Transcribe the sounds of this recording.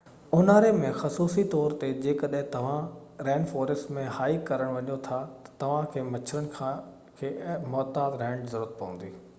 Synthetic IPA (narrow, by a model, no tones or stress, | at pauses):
ʊnaːɾemẽxɐsuːsit̪ɔːɾt̪ed͡ʑeːkɐɗɦɪ̃t̪ɐʋ̤ãɾɛ̃ːnɖfɔːɾɪsʈmẽhaːikɐɾəɽ̃ʋɐɲot̪ʰat̪ɐ̥t̪ɐʋ̤ãkʰeːmɐt͡ɕʰəɾənɪ̆kʰã | kʰeːmɔːt̪aːd̪ɾɛ̃ːɳɖzɐɾuːət̪̚pɐ̰ʋə̃n̆d̪iː